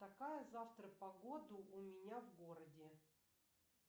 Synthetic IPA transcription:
t̪ɐkajəzaft̪ɾəpɐɡo̞d̪ʊʔʊmʲɪnʲavɡo̞ɾədʲɪ

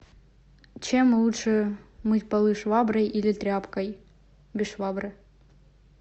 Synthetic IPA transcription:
t͡ɕemlˠutʂəmɨtʲpɐlˠɨʂvɑbrɐjʔilʲɪt̪ɾʲapkɐj | bʲɪʂvɑbrɨ

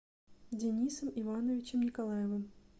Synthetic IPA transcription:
dʲenʲisəmivanəvʲɪt͡ɕɪmnʲɪkalˠajəvɨm

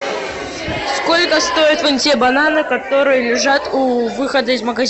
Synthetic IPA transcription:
skolʲkəst̪ojɪt̪vamtʲebɐnanɨkɐt̪o̞ɾɨjəlʲɪʐat̪uvɨxəd̪əizməɡɐzʲ

